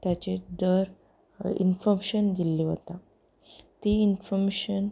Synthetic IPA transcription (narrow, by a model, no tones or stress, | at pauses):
t̪jat͡ɕeɖəɾ | ḭnfɔɾmeɕənɡ̪ilːiɦot̪a | t̪iinfɔmeɕən